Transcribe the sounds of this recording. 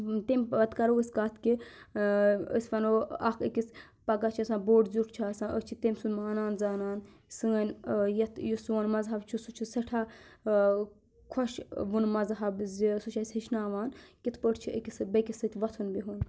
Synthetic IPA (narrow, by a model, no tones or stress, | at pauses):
t̪emʲpɐt̪kɐɾoisʲkaːt̪ʰki | ə̰sʲfɐnoːɐkikis | pɐɡat͡ʃʰiɐsãːboːɖzʲuʈʰt͡ʃʰaːsãːʔət͡ʃʰit̪emʲsunmaːnaːnzaːnaːn | sɨɐnʲjɐt̪ʰjusɐnmɐzɦɐbt͡ʃʰusut͡ʃʰisɐʈʰaː | kʰoʃʋunmɐzɦɐbzsut͡ʃʰɐsʲhiʃnaːʋaːnkit̪ʰpəʈʰt͡ʃʰiə̰kisbɐkʲisɨt̪ʰʲʋɐt̪ʰunbiɦun